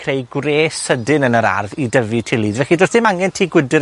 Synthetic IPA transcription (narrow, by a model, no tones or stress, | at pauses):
kʰrejɡwreːsədɪnənəɾa̰rvidəvitʰilˠiːdvɛɬidosθɪmaŋɛntʰiːɡwɪdɪ